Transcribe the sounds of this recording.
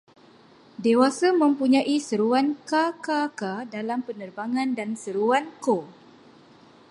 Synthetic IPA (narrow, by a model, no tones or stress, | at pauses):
dewasamə̃mpuɲãʔisəɾuankakakadalampənərbaŋãndansəɾuanko